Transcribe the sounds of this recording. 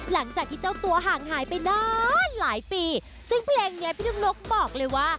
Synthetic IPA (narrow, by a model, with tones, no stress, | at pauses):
la˩˦ŋt͡ɕaː˨˩k̚t̪ʰiː˥˩t͡ɕa˥˩wt̪u˧ɐɦaː˨˩ŋɦaː˨˩˦jpa˧jnɔː˥˩nlaː˩˦jpiː˧ | sɯ˥˩ŋpʰleː˧ŋni˦˥ɐpʰiː˥˩nu˧˩ŋno˦˥k̚bɔː˨˩k̚lɤː˧jwaː˥˩